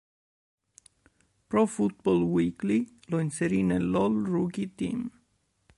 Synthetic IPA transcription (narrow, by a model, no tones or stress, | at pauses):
pɾɔfʊt̪̚bɔlwiːkli | lɔnsɛɾiːnɛlɔlɹuːkit̪iːm